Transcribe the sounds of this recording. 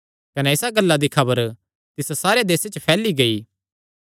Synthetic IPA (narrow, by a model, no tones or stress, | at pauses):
kɐnɛɪsaɡɐlːad̪ikʰɐbəɾ | t̪ɪssaːɾead̪eːset͡ʃpʰɛːliɡɐiː